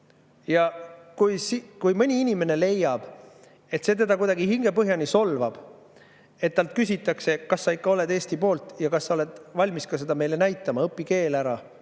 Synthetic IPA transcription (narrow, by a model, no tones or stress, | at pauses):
jɑkujsikujmɤnʲiinʲime̞ne̞le̞jːɑb̥ | e̞t̪se̞t̪e̞d̪̥ɑkujd̪̥ɑɡiɦiŋɡ̥e̞pɤɦjɑnʲiso̞lvɑb̥ | e̞t̪̚ːɑlt̪̚kys̬ʲit̪ːˑɑkse̞kɑsːɑikːɑo̞le̞d̪e̞ːsʲt̪ipo̞ːlt̪ˑjɑkɑsːɑo̞le̞d̪̥vɑlʲmiskɑse̞d̪̥ɑme̞jle̞næjt̪ːˑɑmɑɤpːˑike̞ːlæɾɑ